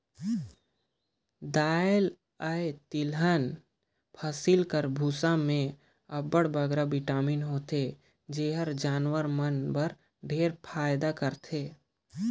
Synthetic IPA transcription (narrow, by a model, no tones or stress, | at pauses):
d̪aːl | əet̪ɪlɦən | pʰəsɪlkəɾbʱuːsamẽ | ɐbəɽbəɡɾaʋɪʈaːmiːnɦoːt̪e | d͡ʒeːɦəɾd͡ʒaːnwəɾmənbəɾ | ɖʱeːɾpʰaːjd̪akəɾt̪ʰeː